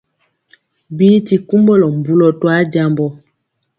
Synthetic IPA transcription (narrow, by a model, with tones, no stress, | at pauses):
biː˦ti˨ku˦mbɔ˦lɔ˨m˨bu˦lɔ˨twa˦d͡ʒa˦˨mbɔ˦